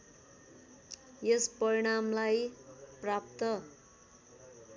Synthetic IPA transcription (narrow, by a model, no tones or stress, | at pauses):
jespʌɾiɽ̃amlajprap̚t̪ʌ